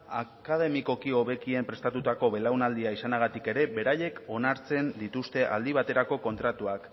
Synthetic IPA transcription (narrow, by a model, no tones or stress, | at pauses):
akað̞e̞miko̞kio̞βe̞kie̞mpɾe̞st̪at̪ut̪ako̞βe̞lawnald̪iaisanaɣ̞at̪ike̞ɾe̞be̞ɾaje̞ko̞naɾt͡se̞nd̪it̪ust̪e̞ʔa̰ld̪iβ̞at̪e̞ɾako̞ko̞nt̪ɾat̪uak